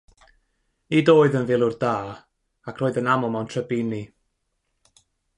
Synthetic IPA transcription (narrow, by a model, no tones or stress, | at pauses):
idoːɨðənvɪlˠʊrdaː | akʰroːɨðənamɔmawntʰrəbɪni